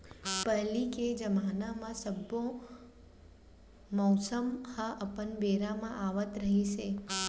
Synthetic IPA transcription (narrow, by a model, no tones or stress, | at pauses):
pəliked͡ʒəmanamãsəbːõ | mɔwsəmhaʔəpənbeɾamãʔaʋət̪ɾəɦiʃe